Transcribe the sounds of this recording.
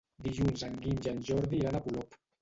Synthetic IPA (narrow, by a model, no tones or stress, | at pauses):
d̪iʒunzaŋɡind͡ʒanʒɔɾðiːɾanapulɔp